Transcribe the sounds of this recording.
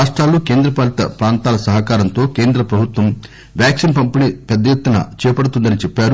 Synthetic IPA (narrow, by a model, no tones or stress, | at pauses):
aːʂʈɾaːlːuːkeːnd̪ɾɐpaːlit̪ɐ̰pɾaːnt̪aːlɐsɐɦɐkaːɾɐnt̪o̞ːkeːnd̪ɾɐpɾɐbʱut̪ʋɐm | ʋjaːksinpɐmpinipɛd̪ːɐjet̪ːunɐ̰t͡ʃɛːpɐɽut̪und̪ɐnit͡ʃɛpːaːɾu